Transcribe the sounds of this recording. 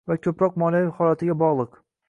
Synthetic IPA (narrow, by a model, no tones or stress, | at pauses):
vakʲʰɵpɾɒqmɒlajɪhɒlˠat̪ʰɪɡʲabɒʁlˠɨq